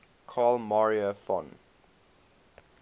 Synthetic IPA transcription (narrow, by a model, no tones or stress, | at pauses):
kʰaːlmɔɹiəfɔ̰̃n